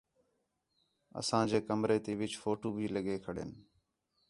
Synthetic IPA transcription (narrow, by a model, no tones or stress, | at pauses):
ə̰sãːd͡ʒeːkəmɾeːt̪eːʋɪt͡ʃfoːʈuːbʱiːləɠeːkʰəɽḛːn